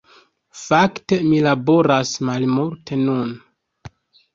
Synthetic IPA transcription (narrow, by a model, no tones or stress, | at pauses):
fakte̞milabo̞ɾasmalmuɾtʰe̞nun